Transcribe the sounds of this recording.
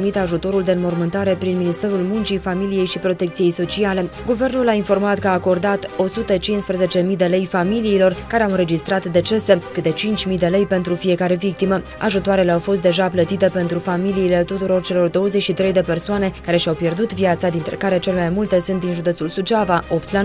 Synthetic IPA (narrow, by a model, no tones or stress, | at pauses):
mit̪aʒut̪o̞ɾuld̪e̞ɨnmo̞rmɨnt̪aɾe̞pɾinminist̪e̞ɾulmunt͡ʃifamilije̞jʃipɾo̞t̪e̞kt̪sije̞jso̞t͡ʃiale̞ɡuve̞rnulainfo̞rmat̪kəaːko̞rd̪at̪o̞sut̪ət͡ʃinspɾeze̞t͡ʃe̞mid̪e̞le̞jfamiliːlo̞rkaɾe̞awɨnɾe̞d͡ʒist̪ɾat̪d̪e̞t͡ʃe̞se̞kɨt̪e̞t͡ʃint͡ʃʲmid̪e̞le̞jpe̞nt̪ɾufije̞kaɾe̞vik̚t̪imə | a̰ʒut̪oaɾe̞leawfo̞s̬t̪̚d̪e̞ʒaplət̪it̪e̞pe̞nt̪ɾufamiliːle̞t̪ut̪uɾo̞rt͡ʃe̞lo̞rd̪o̞wəzet͡ʃʃit̪ɾe̞jd̪e̞pe̞rsoane̞kaɾe̞ʃiawpje̞rd̪ut̪viat̪sad̪int̪ɾe̞kaɾe̞t͡ʃe̞lemajmult̪e̞sunt̪d̪inʒud̪etsulsut͡ʃavao̞pt̪la